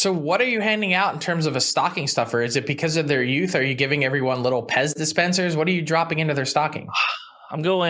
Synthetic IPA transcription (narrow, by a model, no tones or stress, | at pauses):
soʊwʌɾə˞jɨhæ̃ndɪ̃ŋaʊɾn̩tʰɜ̃˞mzʌvəstɑkɪ̃ŋstʌfə˞ɨzɨt̚b̥ɨkʰʌzʌvðə˞jʉθə˞jɨɡɪvɪ̃ŋɛvɹiwʌ̃nlɪɾl̩ˠpʰɛzdɨspɛ̃nsə˞zwʌɾə˞jɨdɹɑpɪ̃ŋɪ̃ntʉðə˞stɑkɪ̰̃ŋ | ãɪ̃mɡoʊɪ̃